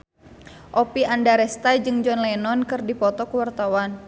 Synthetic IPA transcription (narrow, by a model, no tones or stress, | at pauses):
ʔɔpiandaɾɛst̪ad͡ʒɨŋd͡ʒɔnlɛnɔnkɨrdipɔt̪ɔkuwart̪awan